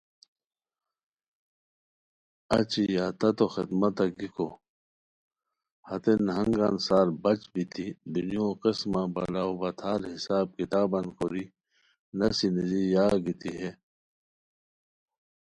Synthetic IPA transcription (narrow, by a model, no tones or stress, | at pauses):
ɐ̰t͡ɕiat̪ɐt̪oxɪd̪mɐt̪ɐɡikʰo | hɐt̪enɦɐŋɡansaːɾbɐt͡ɕbit̪ʰid̪unjõqesmabɐlaobɐt̪ʰaːɾɦisaːb̚kit̪aːbɐnkoɾi | nɐsinizijaːɡit̪iɦe